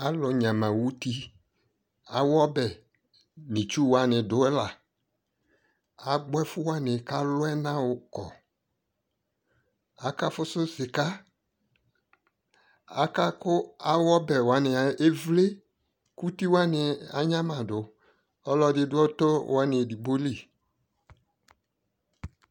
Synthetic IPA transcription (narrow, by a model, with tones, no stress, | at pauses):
a˨lɔ˨ɲã˨mã˨wu˦ti˦ | a˨wɔ˦bɛ˨ | nĩ˨t͡ʃu˦wa˨nɪ̃˨dʊ˨˦ɛ˦la˨ | a˨ɡ͡bɛ˦fʊ˦wa˦nɪ̃˨ka˦lʊ˦ɛ˦nã˦wʊ˨kɔ̰˨ | a˨ka˦fʊ˦sʊ˦sɪ˨ka˦ | a˨ka˦kʊ˦a˦wɔ˦bɛ˨wa˨˦nɪ˨a˨e˦vle˦ | ku˦ti˦wa˦nɪ˨a̰˨ɲã˦mã˨dʊ˨ | ɔ˦lɔ˦dɪ˨dʊ˦ɔ˦to˦wa˨˦nɪ˨di˨bo˦li˦˨